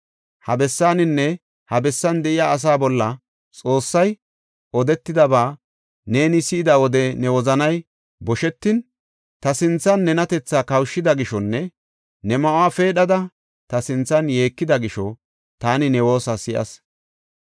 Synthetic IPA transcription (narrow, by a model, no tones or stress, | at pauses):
hɐbɛsːaːnɪnːɛ | hɐbɛsːɐnd̪ɛʔɪjaːs̬aːbɔlːɐ | t͡sʼo̞ːsːɐj | ʔɔd̪ɛt̪ːɪd̪ɐbaː | ne̞ːnɪsɪʔɪd̪ɐwɔd̪ɛnɛwɔzɐnɐj | bɔʃɛt̪ːɪn | t̪ɐsɪnt͡sːɐnːɛnɐt̪ɛt͡sːaːkɐwʃːɪd̪ɐɡɪʃɔnːɛ | nɛmɐʔʊaːfe̞ːɗɐd̪ɐ | t̪ɐsɪnt͡sːɐnje̞ːkːɪd̪ɐɡɪʃɔ | t̪aːnɪnɛwo̞ːsɐsɪʔɐ̰s